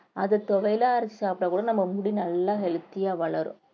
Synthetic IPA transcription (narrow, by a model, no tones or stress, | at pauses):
ɐðɐt̪ɔʋɐjlaːɐɾɐt͡ʃːisaːpɽɐkuːɽɐnɐmːɐmʊɽinɐlːaːɦɛlɯt̪ːɪjaːʋɐɭɐɾʊ̰̃